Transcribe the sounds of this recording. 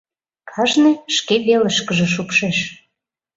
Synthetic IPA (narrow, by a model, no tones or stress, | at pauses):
kʰɑʒnĕʃkeβeləʃkəʒĕʃ̬upʃeʃ